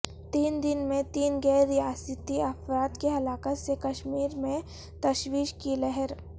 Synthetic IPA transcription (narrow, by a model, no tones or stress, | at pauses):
t̪iːnd̪ɪnmẽt̪iːnɡɛːɾːijaːsət̪iɐfɾaːt̪keɦɐlaːkət̪sekɐʃmiːɾmẽ | t̪ɐʃwiːʃkilɛɦɛɾ